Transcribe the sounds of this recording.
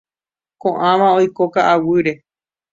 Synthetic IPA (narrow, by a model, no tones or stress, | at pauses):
kõʔãʋãojkokaʔawɨɾe̞